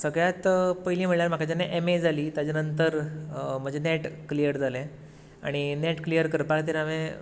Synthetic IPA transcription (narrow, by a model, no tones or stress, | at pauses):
səɡɭjat̪pəɦilĩm̤əʈljaɾm̤akʰat͡ɕanːeʔemed͡zʱaliːt̪jad͡ʑanənt̪̬əɾm̤əd͡ʑeneʈklijəɾd͡zʱalẽ | a̰ɽ̃ineʈklijəɾkəɾpakt̪̬eɾamẽ